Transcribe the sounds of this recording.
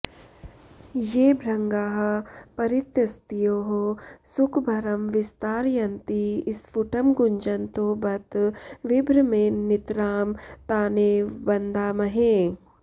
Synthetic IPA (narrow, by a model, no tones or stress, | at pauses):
jeːbʱɾɐŋɡaːɦɐpɐɾɪt̪jɐst̪ijoːɦosʊkʰbʱɐɾɐmʋɪst̪aːɾjɐnt̪iɪsfuʈɐmɡʊɲd͡ʒɐnt̪oːbɐt̪ʋɪbɾɐmẽːnɪt̪ɾaːmt̪aːneːbɐnd̪ʱaːmɐɦẽː